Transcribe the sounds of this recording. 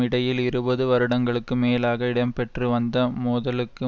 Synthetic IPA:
ɪɽɐjɪlɪɾɯbɐðɯʋɐɾɯɽɐŋɡɐɭɯkːɯmeːlaːɣɐɪɽɐmpɛʈriʋɐnd̪ɐmuːðɐlɯkːɯ

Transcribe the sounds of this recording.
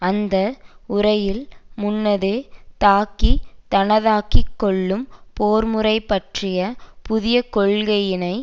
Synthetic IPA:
ɐnd̪ɐʊrɐjɪlmʊnːɐðɯt̪aːkit̪ɐnɐðaːkɪkːɔɭːɯmpoːɾmɯrɐɪpːɐʈrɪjɐpʊðɪjɐkɔɭɣɐjɪnɐɪ

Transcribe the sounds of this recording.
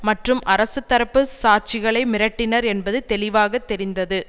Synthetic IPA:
mɐʈrɯmʔɐɾɐsɯt̪ːɐɾɐpːɯsaːt͡ʃɪɣɐɭɐɪmɪɾɐʈːɪnɐɾɛnbɐðɯt̪ɛlɪʋaːɣɐt̪ːɛɾɪnd̪ɐðɯ

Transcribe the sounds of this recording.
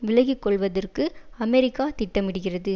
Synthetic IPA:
ʋɪlɐɣɪkːɔɭʋɐðɐrkɯɐmɛɾɪkːaːt̪ɪʈːɐmɪɽɯɣɪrɐðɯ

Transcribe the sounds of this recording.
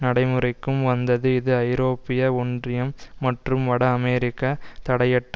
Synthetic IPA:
nɐɽɐɪmɯrɐɪkːɯmʋɐnd̪ɐðɯɪðɯɐɪɾoːpːɪjɐɔɳdrɪjɐmːɐʈrɯmʋɐɽɐːmeɾɪkːɐt̪ɐɽɐjɐʈː

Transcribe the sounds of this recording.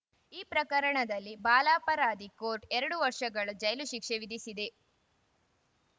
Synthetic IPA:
iːpɾɐkɐɾɐɳɐd̪ɐlːibaːlaːpɐɾaːd̪ikoːɾʈɛɾɐɽuʋɐɾʂɐɡɐɭud͡ʒɐjluʃikʂeʋid̪isid̪e̞

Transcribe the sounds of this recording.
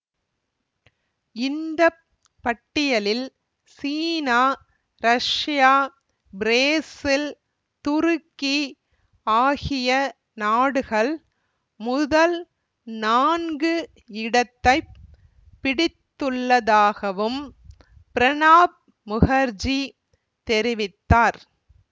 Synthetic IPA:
ɪnd̪ɐ | pːɐʈːɪjɐlɪl | siːnaː | ɾɐʂjaː | bɾeːsɪl | t̪ʊɾɯkːi | aːɣɪjɐ | naːɽɯɣɐɭ | mʊðɐl | naːnɡɯ | ɪɽɐt̪ːɐɪ | pːɪɽɪt̪ːɯɭːɐðaːɣɐʋɯm | pɪɾɐnaːb̚ | mʊɣɐɾd͡ʒi | t̪ɛɾɪʋɪt̪ːaːɾ

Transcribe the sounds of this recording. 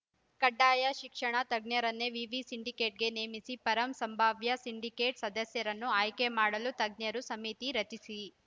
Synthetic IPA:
kɐɖːaːjɐʃikʂɐɳɐt̪ɐɡ̚njɐɾɐnːeʋiʋisiɳɖike̞ːʈ̚ɡe̞neːmisipɐɾɐmsɐmbʱaːʋjɐsiɳɖikeːʈsɐd̪ɐsjɐɾɐnːuaːjkemaːɽɐlut̪ɐɡ̚njɐɾusɐmit̪iɾɐt͡ʃisi

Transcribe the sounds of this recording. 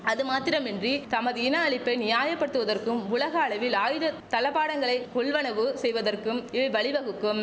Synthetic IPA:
ɐðɯmaːt̪ːɪɾɐmɛndrit̪ɐmɐðɯɪnɐːɭɪpːɐɪnɪjaːjɐpːɐɽɯt̪ːɯʋɐðɐrkɯmʊlɐɣɐːɭɐʋɪlaːjɪɾɯt̪ɐlɐpːaːɽɐŋɡɐɭɐɪkːɔɭʋɐnɐʋɯsɛjʋɐðɐrkɯmɪʋɐɪʋɐɭɪʋɐɣɯkːɯm

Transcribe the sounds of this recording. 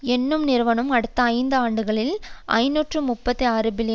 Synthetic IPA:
ɛnːɯmnɪɾɯʋɐnɯmɐɽɯt̪ːɐːɪnd̪ɯaːɳɖɯɣɐɭɪlʔɐ̰ɪnuːʈrɯmʊpːɐt̪ːiaːɾɯbɪlɪj

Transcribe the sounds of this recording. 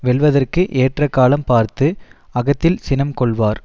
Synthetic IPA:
ʋɛɭʋɐðɐrkɯʔeːʈrɐkːaːlɐmpaːɾt̪ɯɐɣɐt̪ːɪlsɪnɐmkɔɭʋaːɾ

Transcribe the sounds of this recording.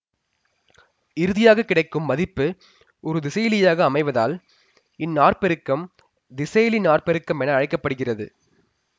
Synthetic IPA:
ɪɾɯðɪjaːɣɐkːɪɽɐɪkːɯmːɐðɪpːɯ | ɔɾɯd̪ɪsɐjlɪjaːɣɐːmɐɪʋɐða̰ːl | ɪnːaːrpɛɾɯkːɐm | d̪ɪsɐjlinaːrpɛɾɯkːɐmɛnɐːɻɐɪkːɐpːɐɽɯɣɪrɐðɯ̰

